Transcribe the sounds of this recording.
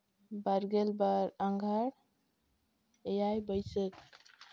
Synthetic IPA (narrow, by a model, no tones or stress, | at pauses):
bəɾɡelbaɾəŋɡʱəɽ | ejajbəjsək